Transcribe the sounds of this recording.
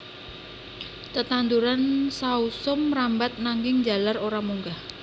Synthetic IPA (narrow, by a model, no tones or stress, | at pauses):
t̪ət̪and̪uɾansausʊmrambat̪̚naŋɪŋd͡ʒa̤laroɾamuŋɡah